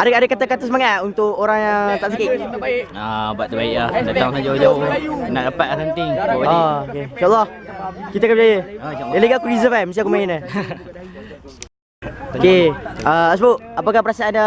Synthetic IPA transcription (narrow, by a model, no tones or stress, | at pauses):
adəadəkat̪əkat̪əs̬əmaŋaunt̪ʊkoɾaŋjaŋt̪aʔsakiʔəbuaʔt̪əbaiʔlahdat̪aũsad͡ʒaod͡ʒaʊnaʔdəpat̪̚asant̪ɪŋaokeiʃaʔlːɔhkit̪akambd͡ʒajədaləɡaakuɾizəfaməsiakumainə | okeəas̬əbuʔapakahpəɾasaʔana